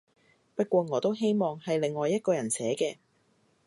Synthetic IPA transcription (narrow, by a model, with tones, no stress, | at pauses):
pɐ˥t̚kʷɔː˧ŋɔː˨˧t̪o˥wɦe˥jmɔː˨ŋhɐ˨jle˨ŋːɔː˨jːɐ˥t̚kɔː˧jɐ˨˩nsɛː˨˥kɛː˧